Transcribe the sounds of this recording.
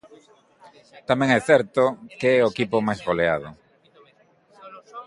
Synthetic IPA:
t̪amɛ̃ŋɛθɛɾt̪ʊkeɛoekipʊmajzɣolea̰ð̞ʊ

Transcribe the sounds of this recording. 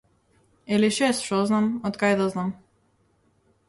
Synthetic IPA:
ɛliʃɛst̪ʃɔznamɔt̪kajd̪aznam

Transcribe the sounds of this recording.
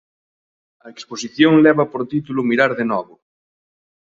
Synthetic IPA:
ɐeksposiθjoŋlɛβɐpoɾt̪it̪ulʊmiɾaɾðenɔβʊ

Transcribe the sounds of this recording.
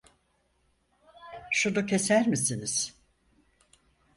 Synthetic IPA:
ʃunucʰe̞sæɾmisiniz̥

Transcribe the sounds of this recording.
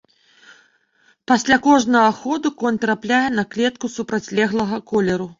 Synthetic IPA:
pasʲlʲakɔʐnɐɣɐxɔd̪ukɔnʲt̪ɾaplʲajɛnɐklʲɛt̪kusupɾɐt͡sʲlʲɛɣlˠɐɣɐkɔlʲɛɾu

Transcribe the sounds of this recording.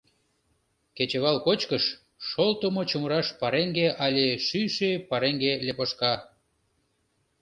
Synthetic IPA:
ket͡ɕeβɑlkot͡ɕkəʃː | olt̪əmot͡ɕoməɾɑʃpɑɾeŋɡeʔɑlʲeʃyʃepɑɾeŋɡelepoʃkɑ

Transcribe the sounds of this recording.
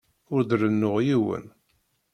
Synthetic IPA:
ʊɾd̪ɾənːʊʁjiwə̰n

